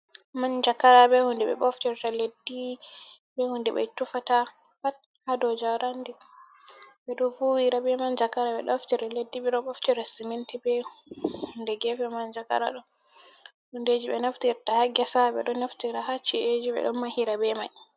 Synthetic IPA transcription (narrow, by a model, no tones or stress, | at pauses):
mand͡ʒakːaɾabɛhundɛɓɛ̰ɓɔftiɾtaledːi | bɛhundɛɓɛ̰jtufata | pat̚ | hadɔd͡ʒawɾandi | ɓɛɗɔfuwiɾabɛmand͡ʒakːaɾaɓɛ̰ɗɔftiɾaledːiɓɛɗɔɓɔftiɾasimintibɛhundɛɡɛfɛmand͡ʒaka̰ɾa̰ɗɔ | hunded͡ʒiɓɛ̰naftiɾtahaɡɛsaɓɛ̰ɗɔnaftiɾahat͡ʃːied͡ʒiɓɛ̰ɗɔ̰nmahiɾabɛmaɲ